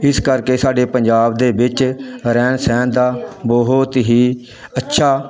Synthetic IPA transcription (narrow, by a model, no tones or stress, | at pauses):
ɪskəɾkeːsaːɖeːpəɲd͡ʒaːbd̪eːbɪt͡ʃɾɛːnsɛːnd̪aːbɔɦʊt̪ɦiː | ətːʃʰaː